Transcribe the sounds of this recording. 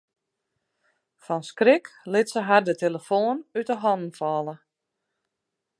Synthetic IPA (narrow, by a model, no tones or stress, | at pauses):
fɔnskrɪklɪtsəɦadəteləfoːənytəɦɔnn̩fɔːlˠə